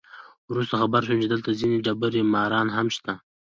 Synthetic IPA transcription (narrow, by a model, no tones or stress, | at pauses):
wɾust̪axabaɾʃ̬umt͡ʃed̪əlt̪azineɖabaɾemɑːɾɑnɦamʃt̪a